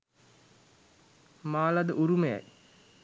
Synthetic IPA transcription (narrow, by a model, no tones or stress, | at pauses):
maːlad̪əʔuɾuməja̰j